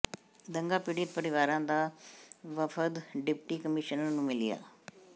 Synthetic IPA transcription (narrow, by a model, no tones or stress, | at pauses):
d̪əŋɡaːpiɖit̪pəɾɪʋaːɾãːd̪aːʋəfʰəd̪ɖɪpʈiːkəmɪʃənːũːmɪlija̰ː